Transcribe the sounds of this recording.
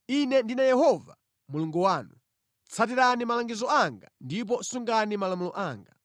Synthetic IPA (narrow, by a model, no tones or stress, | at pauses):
inɛndinajɛɦɔva̰ | muluŋɡuwaːnu | t͡sʰat̬iɾanimalaŋɡizɔaŋɡandip̬ɔsuŋɡanimalamulɔʔaːŋɡa